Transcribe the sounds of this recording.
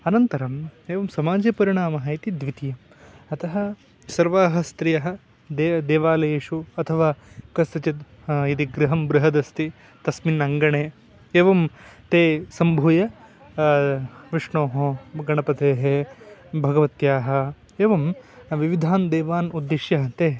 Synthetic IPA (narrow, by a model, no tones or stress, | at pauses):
ɐnɐnt̪ɐɾɐmeːʋɐmsɐmaːd͡ʒjpɐɾiɳaːmɐɦɐjit̪id̪ʋit̪ijɐm | ɐt̪ɐɦɐ̆ | sɐɾʋaːɦɐst̪ɾijɐɦɐ̆ | d̪ed̪eːʋaːlɐjeːʂuɐt̪ʰɐʋaːkɐst̪ɐt͡ʃit̪ | it̪iɡɾɪɦɐmbɾɪɦɐd̪ɐst̪i | t̪ɐsminɐŋɡɐɳeː | eːʋɐmt̪eːsɐmbʱuːjɐ | ʋɪʂɳoːɦɐɡɐɳɐpɐt̪eːɦebʱɐɡɐʋɐt̪jaːɦɐ̆ | eːʋɐmʋiʋid̪ʱaːnd̪eːʋaːnud̪ːiʃjɐɦɐt̪eː